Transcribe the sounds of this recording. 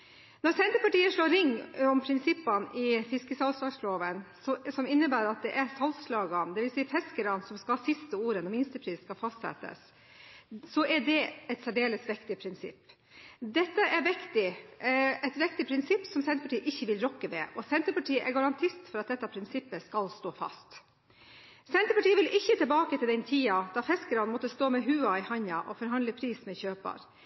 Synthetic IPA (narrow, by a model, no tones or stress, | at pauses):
nɔɾsɛnt̪əɾpɑʈiːəʂɭoːɾɪŋːɔmpʰɾɪnsɪpːɑnɪfɪskəsɑlslɑːɡsloːʋənsɔsɔmɪnːəbæːɾɑt̪̚d̪ɛʔæɾsɑlslɑːɡɑnd̪ɛʋɪlsiːfɛskəɾɑnsɔmskɑsɪst̪əuːɾənɔmɪnst̪əpʰɾiːsskɑfɑst̪sɛ̰t̪ːə̰sː | ɔʔɛɖɛɛt̪sæɖeːləsʋɪkt̪ɪpʰɾɪnsɪ̰pː | d̪ɛt̪ːəʔɛɾʋɪkt̪ɪ | ɛt̪ʋɪk̚t̪ɪpʰɾɪnsɪpːsɔmsɛnɾəpɑʈiːəʔɪçːəʋɪlɾɔkːəʋɛʔɔsɛnt̪ɾəpɑʈʰiːʔɛɾɡɑɾɑnt̪ʰɪst̪fɔɾɑt̪̚d̪ɛt̪ːɑpʰɾɪnsɪpːəskɑlst̪oːfɑ̰st̪ | sɛnt̪ɾəpɑʈiːəʋɪlɪçːət̪ʰɪlbɑːkət̪ʰɪld̪ɛnt̪ʰiːɑd̪̥ɑfɛskəɾɑnmɔt̪ːəst̪oːmɛɦʉːɑɪhɑɲɑʔɔfɔɾɦɑnd̪ləpʰɾiːsmɛçøːpɑ̰ɾ